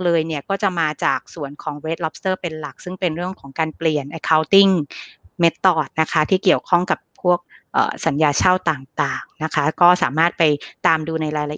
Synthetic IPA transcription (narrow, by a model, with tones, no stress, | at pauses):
lɤː˧jni˥˩əkɔː˥˩t͡ɕa˨˩maː˧t͡ɕaː˨˩k̚su˨˩ənkʰɔː˩˦ŋwe˦t̪̚lɔ˦˥p̚st̪ɤː˥˩pe˧nla˨˩k̚sɯ˥˩ŋpe˧nɾɯ˥˩əŋkʰɔː˩˦ŋkaː˧npli˨˩ənʔa˧jkʰaː˦˥wt̪i˥˩ŋme˦˥t̪ːɔː˨˩t̪̚na˦˥kʰa˦˥t̪ʰiː˥˩ki˨˩əwkʰɔ˥˩ŋka˨˩pʰːu˥˩ək̚ʔə̰ː˨˩sa˨˩˦njaː˧t͡ɕʰaː˥˩wt̪aː˨˩ŋt̪aː˨˩ŋna˦˥kʰa˦˥kɔː˥˩saː˩˦maː˥˩t̪̚pa˧jt̪aː˧mduː˧na˧jɾaː˧jla˧ʔ